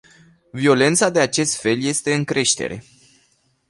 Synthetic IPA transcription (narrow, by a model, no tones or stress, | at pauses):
vio̞le̞nt̪sad̪e̞at͡ʃe̞st̪fe̞lje̞st̪e̞ɨŋkɾe̞ʃt̪ḛɾe̞̰